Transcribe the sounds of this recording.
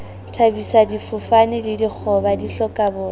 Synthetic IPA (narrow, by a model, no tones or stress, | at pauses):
tʰabisadifʊfanɪdidik͡xʰɔbadiɬɔkʼabʊː